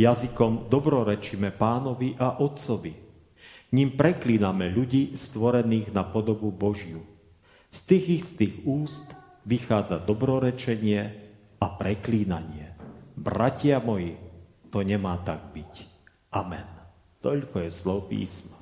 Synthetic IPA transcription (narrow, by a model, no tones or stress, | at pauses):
jazikɔmd̪ɔbɾɔɾɛt͡ʃimɛpaːnɔʋiʔaʔɔt̪t͡sɔʋi | ɲimpɾɛkliːnamɛʎuɟiːst̪ʋɔɾɛniːɣnapɔd̪ɔbubɔʒju | st̪iːɣist̪iːɣuːst̪ | ʋixaːd͡zad̪ɔbɾɔɾɛt͡ʃɛɲɪɛ | ʔapɾɛkliːnaɲɪɛbɾacɪamɔjit̪ɔɲɛmaːt̪aɡ̚bic | ʔamɛ̰n | t̪ɔʎkɔjɛzlɔːpḭːsma